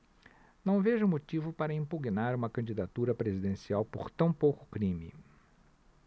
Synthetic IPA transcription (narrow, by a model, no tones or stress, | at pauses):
nɐ̃w̃veʒʊmot͡ʃivʊpaɾɐĩmpuɡnaɾũmɐkɐ̃nd͡ʒid̪at̪uɾɐpɾezid̪ẽsiawpoɾt̪ɐ̃w̃powkʊ̥kɾĩmɪ